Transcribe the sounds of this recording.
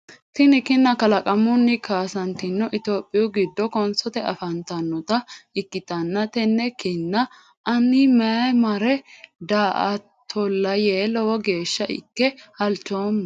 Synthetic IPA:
t̪ɪnɪkɪnːɐkɐlɐkʼɐmʊnːɪkʰaːsɐnt̪ɪnːɔʔɪt̪o̞ːpʼːɪjʊɡɪd̪ːɔkɔnsɔt̪ɛɐ̰fɐnt̪ɐnːɔt̪ɐɪkːɪt̪ɐnːɐt̪ɛnːɛkɪnːɐ | ʔɐnɪmɛmɐɾɛd̪aːʔɐ̰ | t̪ʰɔlːɐjeːlɔwɔɡe̞ːʃːɐʔɪ̰kːɛhɐlt͡ʃːoːmː

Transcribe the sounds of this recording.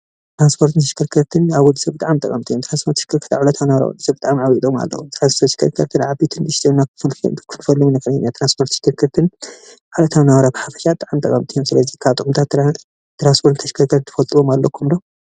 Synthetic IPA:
t̪ɾanspʰo̞ɾt̪ɨnt̪ʰɐʃkʰɨɾkʰɐɾt̪ʰɨnaβwɔd̪ːɨsɐbɨt̪ʼaʕamt̪ʼɐkʼɐmt̪ʰʼijomt̪ʰɾanspʰo̞ɾt̪ːʃkʰɨɾkʰɐɾt̪aʕalɐt̪ʰawnɐβɐɾa̰wɔ̰d̪ːɨsɐbɨt̪ʼaʕamʕawit̪ʼoma̰lːɐ̰ṵmt̪ʰɾanspot̪ʃi̥kʰɨɾkʰɐɾt̪ʰɨnʕabit̪ʰɨnd̪ɨʃt̪ʰɐnːakkʰɨnɨfɐlːɨmnɐkʰɐnɐnːat̪ʰɾanspʰo̞ɾt̪ʃɪ̥kʰɨɾkʰɐɾt̪ʰɨn | ʕulɐt̪ʰawnaβɐɾabɨħafɐ̥ʃaɨt̪ʼaʕamt̪ʼɐkʼɐmt̪ʰʼijomsɨlɐzikʰaβt̪ʼɨʔʼumt̪ʰat̪ː | t̪ʰɾanspʰoɾt̪t̪ʰɐʃkʰɐɾkʰɐt̪t̪ʰɨ̥fɐlt̪ʼwomalːɐkʰːumdo

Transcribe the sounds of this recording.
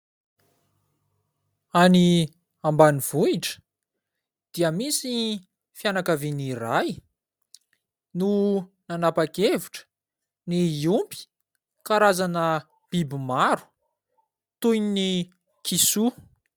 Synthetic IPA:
ani | ambaniv̥uiʈ͡ʂə̥ | d̪̥iəmisi | fjanakaviniraj | nunanapakeviʈ͡ʂə̥ | niumpi̥ | kaɾazanə | b̥ibimaɾu̥ | t̪ujnni | kisu

